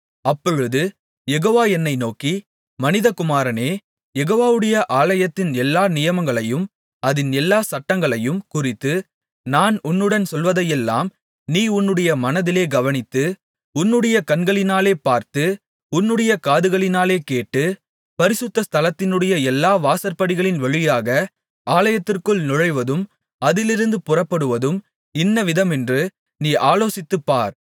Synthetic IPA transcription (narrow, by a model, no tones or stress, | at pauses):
ɐpːɔɻɯðɯ | jɛɣoːʋaːɛnːɐɪnoːki | mɐnɪðɐkʊmaːɾɐneː | jɛɣoːʋaːʋɯɽɐjɐʔaːlɐjɐt̪ːɪnɛlːaːnɪjɐmɐŋɡɐɭɐjɯm | ɐðɪnɛlːaːsɐʈːɐŋɡɐɭɐjɯmkʊrɪt̪ːɯ | naːnʊnːɯɽɐnsɔlʋɐðɐjɛlːa̰ːm | niːʊnːɯɽɐjɐmɐnɐðɪleːɡɐʋɐnɪt̪ːɯ | ʊnːɯɽɐjɐkɐnɡɐɭɪnaːleːpaːɾt̪ɯ | ʊnːɯɽɐjɐkaːðɯɣɐɭɪnaːleːkeːʈːɯ | pɐɾɪsɯt̪ːɐst̪ʰɐlɐt̪ːɪnɯɽɐjɐɛlːaːʋaːsɐɾpɐɽɪɣɐɭɪnʋɐɻɯjaːɣɐ | aːlɐjɐt̪ːɪrkɯɭnʊɻɐɪʋɐðɯm | ɐðɪlɪɾɯnd̪ɯpʊrɐpːɐɽɯʋɐðɯm | ɪnːɐʋɪðɐmɛndrɯ | niːʔaːloːsɪt̪ːɯpːaːɾ